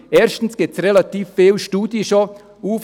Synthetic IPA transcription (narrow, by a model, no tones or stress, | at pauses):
ɛːɾʃtn̩sɡ̥ɪsrelat̪iːfːeːlʃtuːd̥jəʃo | uːf